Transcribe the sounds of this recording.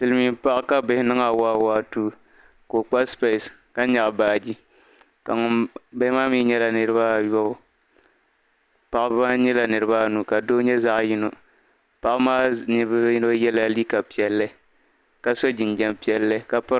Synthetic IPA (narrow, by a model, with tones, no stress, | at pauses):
sɨ˦lɨ˦mi˨˦pa˦ʔka˦bɪ˨hɪ˦nɨ˦ŋa˨waː˦waː˦tuː˦ | ko˨k͡pa˦spe˨ska˦ɲa˨ʔbaː˨d͡ʒi˦ | ka˨ŋʊ˦nba˦maː˦miː˦ɲɛ˦la˨nɨ˨ɾɨ˦ba˦jɔ˦ | pa˨ʔbba˦ɲɛ˦la˨nɨ˨ɾɨ˦ba˦nu˨ka˨doː˦ɲɛ˦za˦ʔji˦no˨ | pa˦ʔma˦nɨ˦ba˦n˦a˦jɛ˦la˦li˦ka˨pi˨ɛ˨lːɨ˦ | ka˨sɔ˦d͡ʒi˨nd͡ʒɛ˨mpi˨˦ɛ˦lːɨ˦ka˨pɨ˦